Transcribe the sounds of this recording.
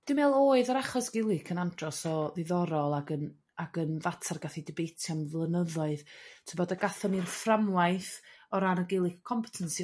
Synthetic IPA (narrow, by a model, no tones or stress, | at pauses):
d̥ɨmeːlˠoːɨðəɾaχɔsɡ̥ɪlˠɨkʰənandrɔsɔðɪðɔɾɔlˠaɡən | aɡənvatʰarɡaθidɪbejtʰjamvlˠənəðɔɨð̥tʰəbɔdəɡaθɔnirframwajθɔɾanəɡɪlˠɨkʰːɔmpʰɛ̥tʰənsi